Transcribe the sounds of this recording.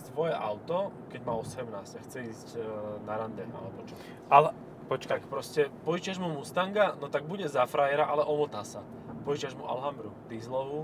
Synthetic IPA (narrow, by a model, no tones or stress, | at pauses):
sʋɔjɛʔaʊt̪ɔkɛɟmaːɔsɛmnaːsaxt͡sɛiːscnaɾand̪ɛa̰lɛbɔt͡ʃɔ | pɔt͡ʃkaakpɾɔscɛpɔjt͡ʃɪaʒmumust̪aŋɡanɔt̪aɡ̚buɟɛzafɾajɛɾaʔalɛʔɔmɔt̪asa | pɔit͡ʃaʒmuʔa̰lɦambɾud̪izlɔʋu